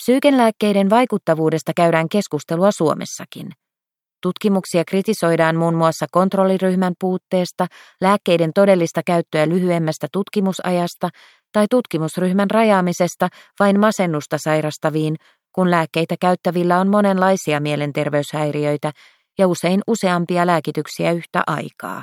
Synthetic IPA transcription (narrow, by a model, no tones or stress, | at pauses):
psyːkenlæːkːe̞jde̞nʋɑjkut̪ːɑʋuːde̞st̪ɑkæɥdæːŋke̞skust̪e̞luɑsuo̞me̞̰sːɑkḭn | t̪ut̪kimuksiɑkrit̪iso̞jdɑːnmuːnmuɑsːɑko̞nt̪ro̞lːiryhmæmpuːt̪ːe̞ːst̪ɑlæːkːe̞jde̞nt̪o̞de̞lːist̪ɑkæɥt̪ːøælyɦye̞mːæst̪æt̪ut̪kimusɑ̰jɑst̪ɑ | t̪ɑjt̪ut̪kimusryhmænrɑjɑːmise̞st̪ɑ | ʋɑjnmɑse̞nːust̪ɑsɑjɾɑst̪ɑʋiːn | kunlæːkːe̞jt̪ækæyɥt̪ːæʋilːæo̞nmo̞ne̞nlɑjsiɑmie̞le̞nt̪e̞rʋe̞yshæjriø̞jt̪æ | jɑuse̞jnuse̞ɑmpiɑlæːkit̪yksiæyht̪æ̰ʔɑ̰jkɑ̰ː